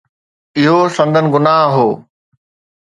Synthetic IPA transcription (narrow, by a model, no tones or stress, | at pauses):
ɪɦosɐ̃nd̪ʱənɪ̆ɡʊnaːɦɦoː